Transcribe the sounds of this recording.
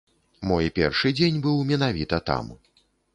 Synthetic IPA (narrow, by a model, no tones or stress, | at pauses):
mɔjpʲɛ̰rʂɨd͡zʲenʲbɨwmʲɛnavʲit̪ɐt̪a̰m